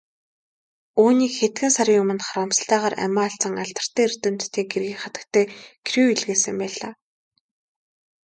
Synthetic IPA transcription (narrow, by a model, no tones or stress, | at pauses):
uːniːkxet̪ɡɘ̆nsaɾʲiːjʊmə̆nχaɾamsə̥̆ɬt̪æːʁaːræ̰maːaɬt͡sə̆ŋaɮt̪ə̆r̥t̪eːer̥t̪ɵ̆mt̪t̪ʰːiːɡerɣiːkχat̪ə̆k̚t̪ʰeːkʰruiɮɣeːsɘ̆mpæːɮaː